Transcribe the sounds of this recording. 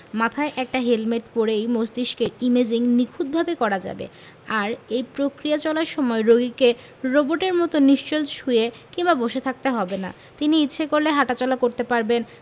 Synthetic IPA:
mat̪ʰaeʔɛk̚ʈaɦelmeʈpoɾejmosd̪iʃkeɾimed͡ʑiŋnikʰud̪̚bʱabekɔɾad͡ʑa̰bḛ | aɾejpɾokɾijat͡ɕɔlaɾʃɔmɔeɾoɡike | ɾoboʈeɾmɔt̪oniʃt͡ɕolʃuje | kiŋbaboʃet̪ʰak̚t̪eɦɔbena̰ | t̪iniitːɕʰekoɾleɦaʈat͡ɕɔlakoɾt̪epaɾben

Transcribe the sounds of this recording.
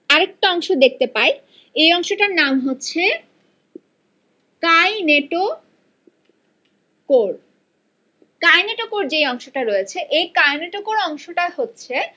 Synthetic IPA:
aɾek̚ʈaɔŋʃod̪ek̚t̪epae | ejɔŋʃoʈaɾnamɦotːɕʰe | kajneʈo | koɾ | kajneʈokoɾd͡ʑejɔŋʃoʈaɾɔjet͡ɕʰeʔejkajneʈokoɾɔŋʃoʈahotːɕʰe

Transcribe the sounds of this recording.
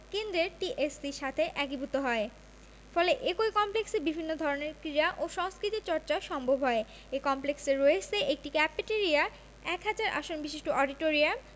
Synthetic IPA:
kend̪ɾeɾʈiʔesiɾʃat̪ʰeʔɛkibut̪oɦɔe | fɔleʔekoikɔmpleksebibʱinːod̪ʱɔɾoneɾkɾiɾaʔoʃɔŋskɾit̪iɾt͡ɕɔɾt͡ɕaʃɔŋbʱobʱɦɔe | ekɔmplekseɾoet͡ɕʰeʔek̚ʈikɛpeʈeɾia | ɛkɦad͡ʑaɾʔa̰ʃonbiʃeʃʈoʔɔɖiʈoɾiam

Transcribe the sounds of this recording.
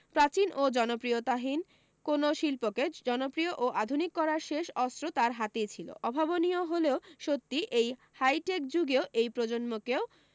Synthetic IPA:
pɾat͡ɕinʔod͡ʑɔnopɾijot̪aɦin | konoʃilpoked͡ʑɔnopɾioʔoʔad̪ʱunikːɔɾaɾʃeʃɔst̪ɾot̪aɾɦat̪et͡ɕʰilo̰ʔɔbʱabonioɦoleoʃot̪ːiʔej | hajʈek̚d͡ʑuɡeoʔejpɾod͡ʑonmokeo

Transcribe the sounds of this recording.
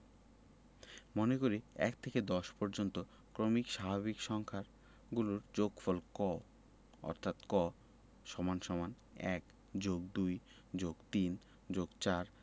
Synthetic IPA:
monekoɾiɛ̰kt̪ʰeked̪ɔʃpɔɾd͡ʑont̪o | kɾomikʃabʱaβikʃɔŋkʰaɾ | ɡuloɾd͡ʑoɡfɔlkɔ | ɔ̰ɾt̪ʰat̪kɔ | ʃɔmanʃɔman | ɛk | d͡ʑoɡ̚d̪uj | d͡ʑoɡt̪in | d͡ʑoɡt͡ɕaɾ

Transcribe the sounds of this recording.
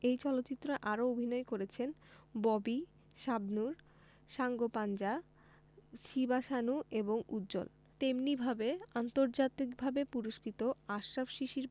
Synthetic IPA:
ejt͡ɕɔlot̪ːɕit̪ːɾaʔaɾoobʱinɔekoɾet͡ɕʰenbɔbi | ʃabnuɾ | ʃaŋɡopand͡ʑa | ʃibaʃanueboŋud̪d͡ʑo̰l | t̪emnibʱabeant̪oɾd͡ʑat̪ikbʱabepuɾoʃkɾit̪oaʃɾabʃiʃiɾ

